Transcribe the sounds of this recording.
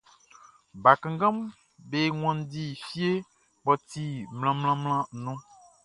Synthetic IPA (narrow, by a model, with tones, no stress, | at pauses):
ba˨kã˨ŋɡã˦m | be˨ŋɔ̃˨n˦di˨fi˦e˦ | bɔ˨t̪i˨ml̃ã˨mlã˦mlã˦˨nũ˦